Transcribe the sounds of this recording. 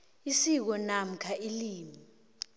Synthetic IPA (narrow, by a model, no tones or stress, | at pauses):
isik̬ɔnam̩kʰaʔiliːmi